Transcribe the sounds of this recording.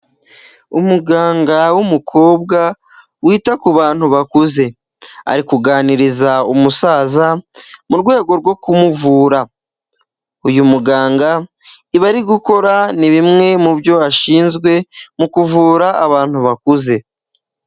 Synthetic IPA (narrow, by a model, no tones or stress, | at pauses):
umuɡaːŋɡawumukʰo̞ːb̚ɡa | wiːtakuβaːn̥huβakuze̞ | a̰ɾikuɡaːniɾizaumusaːzamuɾɡwe̞ːɡo̞ɾɡwo̞kumuvuːɾa | ujumuɡaːŋɡaiβaɾiɡuko̞ɾaniβimŋe̞mubjo̞aʃiːnzɡwe̞mukuvuːɾaʔa̰βaːn̥huβakuze̞